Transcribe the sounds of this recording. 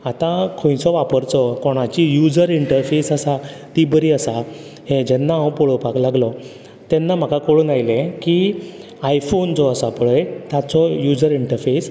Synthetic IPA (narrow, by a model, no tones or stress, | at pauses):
at̪ãkʰõj̃sɔʋapəɾt͡sɔkɔɽ̃at͡ɕijud͡zəɾiɳʈəɾfesəsat̪ibəɾiːəsa | hẽd͡ʑɛnːaə̃wpoɭopaklaɡlɔ | t̪ɛnːam̤akakoɽunajlẽki | ajfont͡sɔəsapəɭəjt̪at͡sɔjud͡zəɾiɳʈəɾfes